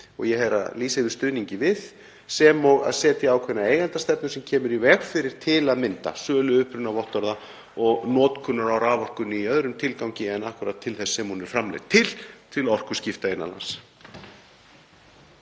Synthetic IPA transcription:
ɔ̰ɣjɛhɛɾa̰ðliːseðʏ̥st̪ʏːðniɲcɪvɪð | sɛmɔɣa̰ðsɛːt̪ɪaːwkʰvɛnaeːjɣant̪ast̪ɛpnʏsɛmcʰɛːmʏɾivɛːɣfɪɾɪɾ̥t̪ʰɪlaðmɪnt̪a̰sœːlʏʏhpɾʏnavɔht̪ɔɾða | ɔɣnɔːt̪kʰʏnːʏɾawɾaːvɔr̥kʏnːɪiœðɾʏmt̪ʰɪlkawɲcɪɛnahkʏɾat̪ʰːɪlθɛsːɛmhunɛɾ̥fɾamlɛ̰t̪ʰːɪlt̪ʰɪlɔr̥kʏ̥scɪft̪aɪnːa̰la̰ns

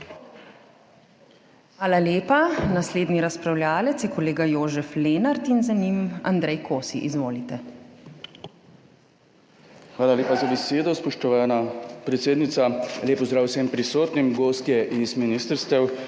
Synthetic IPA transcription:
xʋaːlaljeːpanasleːd̪niɾaspɾawljaːlɛt̪sjɛkɔleːɡajoːʒɛfleːnaɾt̪inzanima̰nd̪ɾɛjkʰoːsiʔizʋoːlit̪ɛ | xʋaːlaljeːpazabɛseːd̪ɔspɔʃt̪ɔʋaːnapɾɛt̪seːd̪nit̪salʲeːpɔzd̪ɾaːwsempɾisoːt̪nimɡoːst̪jɛʔizminiːst̪əɾst̪ɛw

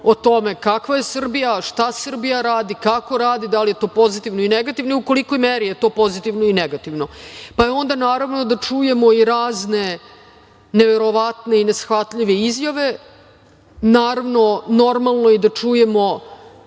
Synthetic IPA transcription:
ot̪o̞me̞kakʋaje̞sr̩bijaʃt̪asr̩bijaɾaːd̪ikako̞ɾaːd̪id̪alijet̪o̞ːpo̞zit̪iʋnoineɡat̪iʋnoiukoliko̞jmeɾijet̪o̞ːpo̞zit̪iʋnoineɡat̪iʋno̞pajeo̞nd̪anaːɾaʋno̞d̪at͡ʂuje̞mo̞iɾaːzne̞ | neʋeɾo̞ʋat̪ne̞inesxʋat̪ʎiʋe̞izjaʋe̞ | naːɾavno̞no̞ɾmalˠno̞id̪at͡ʂuje̞mo̞

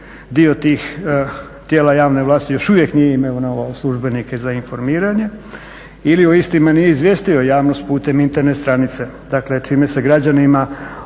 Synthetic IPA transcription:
d̪iot̪iːx | t̪jeːlajaːʋne̞ʋlˠaːst̪ijo̞ʃuʋje̞knijeimeonaoaslˠuʒbe̞nike̞zainfo̞ɾmiːɾaɲe̞ | ilio̞ist̪imanijeizʋjest̪io̞jaːʋno̞st̪̚puːt̪e̞mint̪e̞ɾnet̪st̪ɾanit̪se̞ | d̪akle̞t͡ʃiːmese̞ɡɾad͡ʑanima

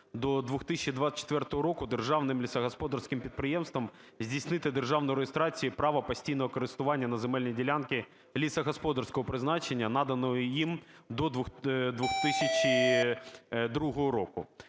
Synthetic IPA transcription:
d̪ɔd̪ʋʊxt̪isʲɪt͡ʃɪd̪ʋasə̥t͡ʃːɪ̥t̪vʲɛrt̪ɔɦɔɾokʊd̪ɨrʐɑvnɪmlʲɪsɐɣɐspod̪ɐrskɪmpʲit̪̚pɾɪjemst̪ʋɐmzʲdʲisnɪt̪ɨd̪erʐavnɔjɾejɪst̪ɾat͡sʲijipɾɑʋɐpɐsʲtʲijnɔʋɔkɐɾɨst̪ʊʋanʲːɐnɐzɛmɛlʲnʲijdʲɪlʲankʲɪ | lʲisɐɣɐspod̪ɐrskɔɦɔpɾɪznat͡ʃenʲːɐnad̪ɐnɔjʊim | d̪ɔd̪d̪ʋuxt̪ɪsʲɐt͡ɕɪ | d̪ɾuɦɔɦɔɾokʊ

